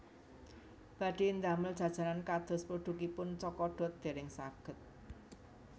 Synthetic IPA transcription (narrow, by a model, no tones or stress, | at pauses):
b̥ä̤ɖ̥end̪aməl̥ʒ̥ä̤d̥ʒ̥a̤ɾankad̪̥ɔ̤spuɖ̥ukipʊnt͡ʃɔkɔɖ̥ɔ̤t̪̚d̪̥e̤ɾɪŋsaɡ̥ə̤t̪̚